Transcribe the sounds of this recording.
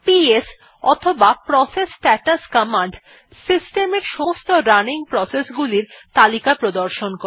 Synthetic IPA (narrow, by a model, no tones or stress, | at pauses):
pies | ɔ̰t̪ʰobapɾɔsesʈɛʈaskamaɳɖ | sisʈemeɾʃɔst̪oɾaniŋpɾɔsesɡuliɾt̪alikapɾod̪oɾʃonko